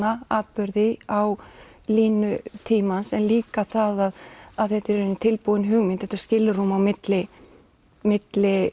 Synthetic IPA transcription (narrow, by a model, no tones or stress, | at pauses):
aaːt̪̚pʏɾðɪaw | liːnʏt̪ʰiːmansɛnliːkaθaðaðaðθɛht̪ɪɾɪnːɪt̪ʰɪlpuðɪnɦʏɣmɪnt̪ɛ̥t̪ːḁscɪlːɪɾ̥humawmɪt̪lɪ | mɪt̪lɪ